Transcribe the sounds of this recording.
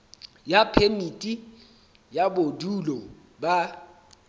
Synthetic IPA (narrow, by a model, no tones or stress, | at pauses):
japʰemitʼi | jabodulɔ | ba